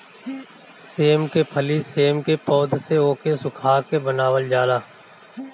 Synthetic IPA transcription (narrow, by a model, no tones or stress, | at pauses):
seːmkepʰəliseːmkepɔːd̪ʱseoːkesʊkʰaːkebənaːʋəld͡ʒaːlaː